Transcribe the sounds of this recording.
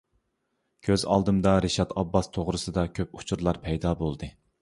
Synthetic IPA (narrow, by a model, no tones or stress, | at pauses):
kʲʰøzɑ̰lˠd̪ɨmd̪ɑɾeʃɑt̪ɑbːɑst̪ʰoʁɾɨsɨd̪ɑkʲʰøp̚u̥t͡ʃʰuɾlˠɑɾpʰɛjd̪ɑːbolˠd̪ɨ